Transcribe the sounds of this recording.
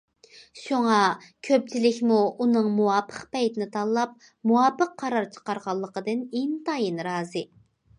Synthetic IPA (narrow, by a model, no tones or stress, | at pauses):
ʃuŋɑkʲʰøp̚t͡ʃʰilɪkʲmuunɨŋmuwɑːpʰːə̥qpɛjt̪ɪnɪt̪ʰɑlˠlːˠɑp̚ | muwɑːpəqʰːɑɾɑɾt͡ʃʰə̥qɑɾʁɑlˠːəqəd̪ɨnent̪ʰɑjinɾɑːzɨ